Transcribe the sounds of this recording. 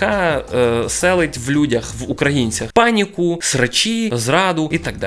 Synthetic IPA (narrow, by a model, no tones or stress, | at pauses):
kɑ | sɛlˠɪtʲʋlʲudʲɐxʋukɾɐjinʲt͡sʲɐxpɑnʲikʊsɾɐt͡ʃʲizɾɑd̪ʊit̪ɐɡ̚d̪̰